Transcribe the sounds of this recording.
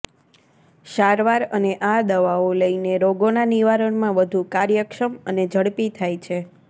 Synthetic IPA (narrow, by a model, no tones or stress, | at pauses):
ʃaɾʋaɾəneʔad̪əʋaoləineɾoɡonaniʋaɾəɳmãʋəd̪ʱukaɾjəkʃəməned͡ʒʱəɽpit̪ʰajt͡ʃʰe